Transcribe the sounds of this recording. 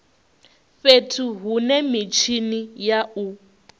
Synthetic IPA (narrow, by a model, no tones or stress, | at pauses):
ɸetʰuɦunɛmit͡ʃʰinijau